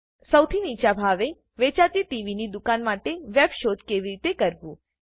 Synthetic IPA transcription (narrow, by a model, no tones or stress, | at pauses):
səwt̪ʰinit͡ʃabʱaʋe | ʋet͡ʃat̪iʈiʋinid̪ukanmaʈeʋɛbʃod̪keʋiɾit̪ekəɾʋũ